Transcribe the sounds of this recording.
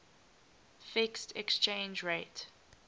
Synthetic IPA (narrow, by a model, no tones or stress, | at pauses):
fɪkstʰɛkst͡ʃẽnd͡ʒɹet